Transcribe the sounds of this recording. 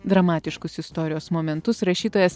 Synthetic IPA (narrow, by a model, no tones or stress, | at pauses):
d̪ɾɐmɑːt̪ʲɪʃkʊsɪst̪ɔːɾʲɪjoːsmoːmʲɛnt̪ʊsɾɐʃʲiːt̪oːjɛs